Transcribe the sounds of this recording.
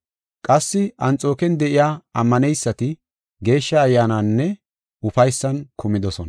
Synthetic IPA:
kʼɐsːɪʔɐnt͡sʼo̞ːkɛnd̪ɛʔɪjaːɐmːɐnɛjsːɐt̪ɪ | ɡe̞ːʃːɐːjːaːnanːɛ | ʊfɐjsːɐnkʰʊmɪd̪ɔsɔnɐ

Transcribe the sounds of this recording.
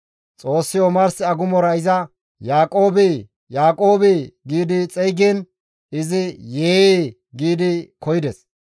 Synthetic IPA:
t͡sʼo̞ːsːɪjomɐɾsɪɐɡʊmɔɾɐɪzɐ | jaːkʼoːbɪ | jaːkʼo̞ːbɪɡiːd̪ɪt͡sʼɛjɡɛn | ɪzɪjeː | ɡiːd̪ɪkɔjɪd̪ɛs

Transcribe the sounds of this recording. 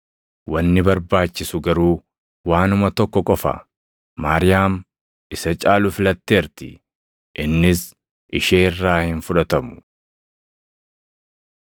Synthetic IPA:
wɐnːɪbɐɾbaːt͡ʃːɪsʊɡɐɾuː | waːnʊmɐt̪ɔkːɔkʼɔfɐ̰ | maːɾɪjaːm | ɪsɐt͡ʃʼaːlʊfɪlɐt̪ːeːɾt̪ɪ̰ | ʔɪnːɪs | ʔɪʃeːrːaːhɪnfʊᶑɐt̪ɐmʊ̥

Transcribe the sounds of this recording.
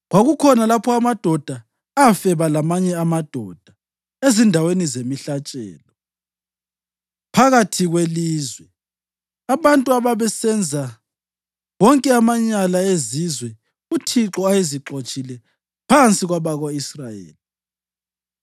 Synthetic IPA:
ɣwaɣukʰɔnalapʰɔamad̥ʱɔd̥ʱa | afɛβalamaɲɛamad̥ʱɔd̥ʱa | ezindʱawenizemiɬat͡ʃʼɛ̰ːlɔ | pʰaɣatʰiɣweliːzwɛ | aβantʼuaβaβɛsɛnd͡zʱa | ɣɔŋkʼɛamaɲalaezizwɛ | utʰiǁɔajeziǁot͡ʃʼilɛ | pʰant͡sʼiɣwaβaɣwaisrajḛːli

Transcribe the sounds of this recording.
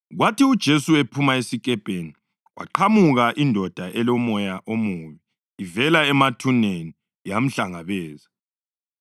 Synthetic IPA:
ɣwatʰiud̥ʒ̥ʱesuepʰumaesikʼɛb̥ʱeni | wʔa̰ǃʰamuɣaʔindʱɔd̥ʱaʔɛlɔmɔjaʔomuβiː | vɛlaɛmatʰuneni | jam̩ɬaŋaβɛːza

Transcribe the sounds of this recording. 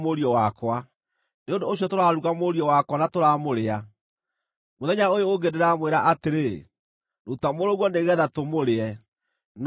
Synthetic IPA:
moɾiɔwakwa | neondoːɕjɔtoɾaɾuɣamoɾiɔwakwanatoɾaːmoɾea | moðɛɲaojooɡedeɾamweɾaʔateɾe | notamoɾoɣwɔndeɣɛðatomoɾeɛ | n

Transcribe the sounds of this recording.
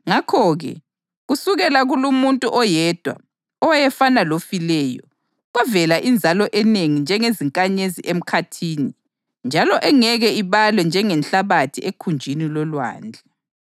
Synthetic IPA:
ŋakʰɔɣɛ̰ | ɣusuɣɛlaɣulumuntʼuʔɔjɛd̥ʱwa̰ | ɔwajɛfanalofilɛjɔ̰ | ɣɛvɛlaʔind͡zʱalɔʔɛneŋind͡ʒʱɛŋeziŋkʼaɲeziʔem̩kʰatʰiːni | nd͡ʒʱalɔʔɛŋɛɣɛiβalwɛnd͡ʒʱɛŋɛnɬaβatʰiekʰund͡ʒʱinilɔlwa̰ːnd͡ɮʱɛ

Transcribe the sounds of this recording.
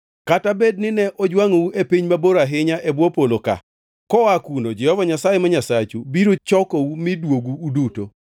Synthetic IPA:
katabednɪnɛʔɔd͡ʒwaŋouʔepiɲmaboɾaɦɪɲaʔebwopoloka̰ | kɔakunod͡ʒɛhɔvaɲasajemɔɲasat͡ʃubiɾot͡ʃɔkoumɪdwoɡuːduto

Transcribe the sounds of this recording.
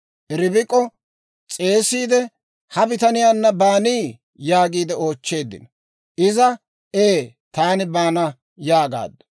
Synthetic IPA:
ʔɛɾɪbɪkʼːɔ | t͡sʼe̞ːsiːd̪ɛ | hɐbɪt̪ɐnɪjaːnːɐbaːniː | jaːɡiːd̪ɛo̞ːt͡ʃːe̞ːd̪ːɪ̰n | ʔɪzɐ | eː | t̪aːnɪbaːnɐ | jaːɡa̰ːd̪ːɐ̥

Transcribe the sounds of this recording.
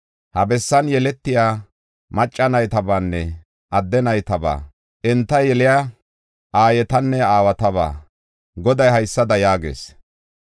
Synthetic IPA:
hɐbɛsːɐnjɛlɛt̪ːɪjaː | mɐt͡ʃʼːɐnɐjt̪ɐbaːnːɛ | ʔɐd̪ːɛnɐjt̪ɐba̰ː | ʔɛnt̪ːɐjɛlɪja | ʔaːjɛt̪ɐnːɛaːwɐt̪ɐβa̰ː | ɡɔd̪ɐjɦɐjsːɐd̪ɐjaːɡḛːs

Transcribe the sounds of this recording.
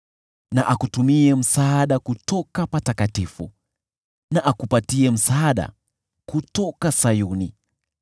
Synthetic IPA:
na̰ʔakutumiɛm̩saːɗakutɔkapatakatifṵ | naʔakupatiɛm̩saːɗa̰ | kutɔkasajunḭ

